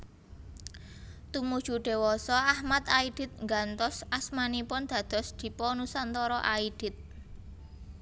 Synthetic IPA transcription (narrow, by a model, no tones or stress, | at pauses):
t̪umud̥ʒ̥ṳɖ̥e̤wɔsɔahmat̪aid̪̥ɪ̤t̪̚ŋɡant̪ɔsasmanipɔnd̪̥a̤d̪̥ɔ̤sd̪̥i̤pɔnusant̪ɔɾɔʔaid̪̥ɪ̤t̪̚